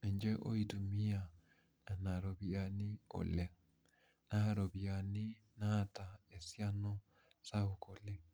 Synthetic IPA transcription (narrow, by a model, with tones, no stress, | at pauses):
e˨ɲd͡ʒɛ˦ʔo̰˦i˦du˨mi˦a˨ | na˨na˨ɾo˨βi˨a˨ni˦o̰˨lɛ˨ | na˨ɾo˨βja˨ni˦ | na˦˨ta˨e˨sja˦nɔ˦ | sa˦o˨ko˨lɛ˦